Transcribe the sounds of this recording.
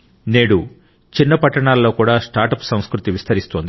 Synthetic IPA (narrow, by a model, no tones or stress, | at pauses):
neːɽu | t͡ʃinːɐpɐʈːɐɳaːlːo̞ːkuːɽaːsʈaːɾʈɐpsɐ̃w̃skɾut̪iʋist̪ɐɾist̪oːnd̪i